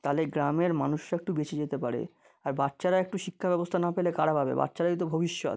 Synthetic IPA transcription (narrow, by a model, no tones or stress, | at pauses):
t̪aleɡɾameɾmanuʃɾek̚ʈubet͡ɕʰed͡ʑet̪epaɾḛ | aɾbatːʃaɾaek̚ʈuʃikʰːabɛbost̪ʰanapelekaɽabʱabḛba̰tːʃaɾait̪̬obʱobiʃːo̰t̪